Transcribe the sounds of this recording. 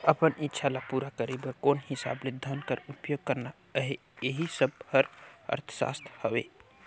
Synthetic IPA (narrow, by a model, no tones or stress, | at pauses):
əpənitːʃʰalapuɾakəɾebəkonhisa̰bled̪ʱənkəɾupjoɡ̚kəɾna | əɦe | eɦisəb̚həɾə̰ɾt̪ʰə̥sa̰st̪ʰhəbe